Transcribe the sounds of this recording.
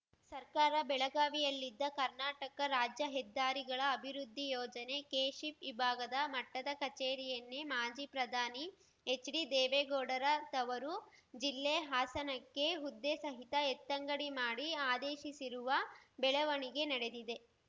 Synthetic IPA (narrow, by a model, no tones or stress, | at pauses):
sɐɾkaːɾɐbɛɭɐɡaːʋijɐlːid̪ːɐkɐɾnaːʈɐkɐɾaːd͡ʒjɐɦɛd̪ːaːɾiɡɐɭɐːbʱiɾud̪ʱːijɔːd͡ʒɐne̞keːʂipibʱaːɡɐd̪ɐmɐʈːɐd̪ɐkɐt͡ʃeːɾijɐnːemaːd͡ʒiːpɾɐd̪ʱaːni | et͡ʃːɾid̪ɛːʋeːɡoːɽɐɾɐt̪ɐʋɐɾud͡ʒilːeːɦaːsɐnɐkːe̞ɦud̪ːesɐɦit̪ɐet̪ːɐŋɡɐɽimaːɽiaːd̪eːʃisiɾuʋɐbɛɭɐʋɐɳiɡe̞nɐɽe̞d̪id̪e̞